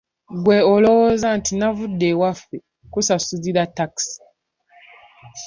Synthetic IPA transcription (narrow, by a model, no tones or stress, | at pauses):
ɡweolowozantinavudːewafe | kusasuziɾataksi̥